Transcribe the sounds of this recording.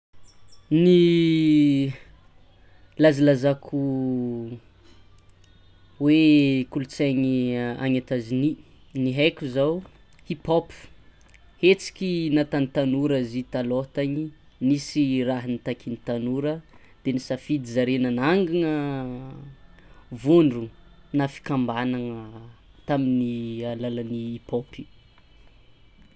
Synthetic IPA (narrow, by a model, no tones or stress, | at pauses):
ni | lazilazakʰu | wekulut͡saɲia̰ɲat̪azini | niɦajkʲuzaw | hipop | het͡si̥kʲinat̪anit̪anuɾazit̪alot̪aɲi | nisiraɦənit̪akinit̪anuɾə | d̪̥enisafid̪izaɾenənaŋɡaŋə | vuɳɖ͡ʐu | nafi̥kambanaŋət̪aminialalaniipopi̥